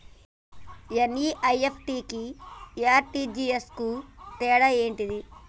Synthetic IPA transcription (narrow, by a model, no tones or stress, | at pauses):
jɐniːʔɐjepʰʈiːkiaːɾʈiːd͡ʒiːeskut̪ɛːɽɐe̞ːɳʈid̪i